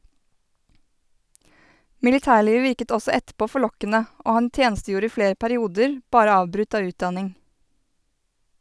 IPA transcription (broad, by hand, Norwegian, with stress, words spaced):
mɪlɪˈtæːˌɭiːʋ ˈʋɪɾkət ˈɔsɔ ˈɛtˌpoː fɔˈɭɔkənə ˈoː ˈhɑn ˈtjeːnstəˌjuːɾə ˈiː ˈfɽeːɾ pæɾɪˈuːdəɾ ˈbɑːɾə ˈɑːʋbɾʉt ˈɑː ˈʉːtˌdɑnɪŋ